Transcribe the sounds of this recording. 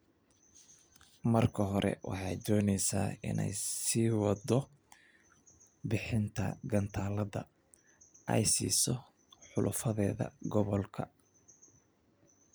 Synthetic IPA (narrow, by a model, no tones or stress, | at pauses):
mɐrkʰɐɦɔɾʔɛ̰wʔɑ̰ħɑjd̪ɔːnɛjsa̰ːɪnɛ̰jsiːwɑd̪ɔ | bɪħɪnt̪ʰɐ̰ɡɐnt̪ʰaːlɐðɐ | ʔɛjsiːsɔ | ħʊlʔʊ̰fɐðɛːðɐ̰ɡɔβɔlkʰɐ